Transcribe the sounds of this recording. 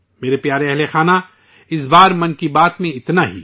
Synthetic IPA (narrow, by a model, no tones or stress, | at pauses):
meːɾepjaːɾeɛɦlexaːna | ɪs̬baːɾmɐ̃nkibaːt̪mẽɪt̪naɦḭː